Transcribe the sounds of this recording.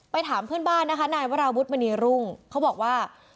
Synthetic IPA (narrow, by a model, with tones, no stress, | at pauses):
pa˧jt̪ʰaː˩˦mpʰɯ˥˩ənbaː˥˩nːa˦˥kʰa˦˥naː˧jwa˦˥ɾaː˧wu˦˥t̪̚ma˧niː˧ɾu˥˩ŋkʰa˦˥wbɔː˨˩k̚waː˥˩